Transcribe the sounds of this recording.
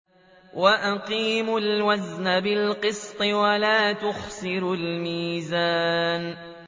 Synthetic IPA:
waʔaqiːmʊlwaznabɪlqɨsˤt̪ˤɨwalaːt̪ʊxsɪɾʊlmiːzaːn

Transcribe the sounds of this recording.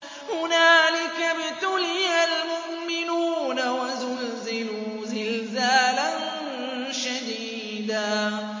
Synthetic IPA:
hʊnaːlɪkabɪt̪ʊlɪjalmʊʔ | mɪnuːnawazʊlzɪlu | zɪlzaːlan | ʃad̪iː | d̪aː

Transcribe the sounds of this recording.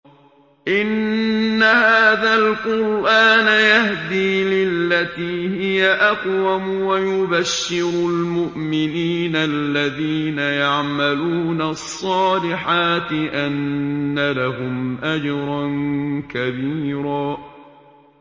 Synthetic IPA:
ʔɪnːahaːðalqʊɾʔaːnajahd̪iːlɪlːat̪iːhɪjaʔaqwamʊwajʊbaʃːɪɾʊlmʊʔmɪniːnalːaðiːnajaʕmaluːnasˤːɑːlɪħaːt̪ɪʔanːalaɦʊmʔad͡ʒɾˤɑnkabiːɾaː

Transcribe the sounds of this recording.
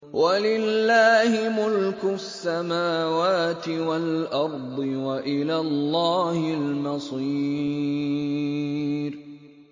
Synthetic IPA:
walɪlːaːhɪmʊlkʊsːamaːwaːt̪ɪwalʔɑɾˤd̪ˤɨwaʔɪlaːllˤːaːhɪlmɑsˤiː | ɾ

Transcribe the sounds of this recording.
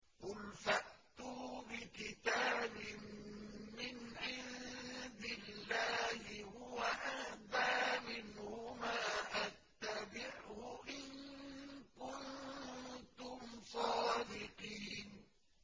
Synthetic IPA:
ʔʊlfaʔt̪ubɪkɪt̪aːbɪmː | ɪnʕɪnd̪ɪllːaːhɪhʊwaʔahd̪aːmɪnhʊmaːʔat̪ːabɪʕhʊʔɪn | kʊn | t̪ʊmfɑːd̪ɪqiːn

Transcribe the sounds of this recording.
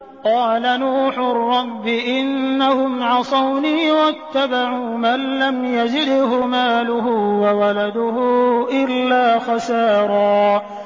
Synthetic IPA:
qɑːlanuːħʊrːɑbːɪʔɪnːahʊmʕɑsˤɑwniːwat̪ːabaʕuːmanlamjad͡ʒɪd̪ɦʊmaːlʊɦʊwawalad̪ʊhʊʔɪlːaːxɑsɑːɾˤɑː

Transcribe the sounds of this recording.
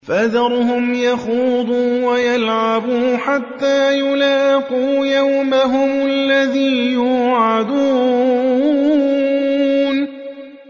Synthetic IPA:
fad̪ɑɾˤʊɦʊmjaxuːd̪ˤuːwajalʕabuːħat̪ːaːjʊlaːquːjawmaɦʊmalːaðiːjuːʕad̪uː | n

